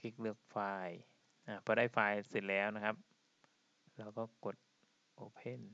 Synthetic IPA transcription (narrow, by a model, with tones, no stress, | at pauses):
ki˦˥k̚lɯ˥˩ək̚faː˧j | ʔaː˧˩pʰɔː˧˦ɾaː˥˩jfaː˧jse˨˩t̪̚lɛː˦˥wna˦˥kʰa˦˥p̚ | lɛː˦˥wkɔː˥˩ko˨˩t̪̚ | ʔoː˧˩pʰe˥˩n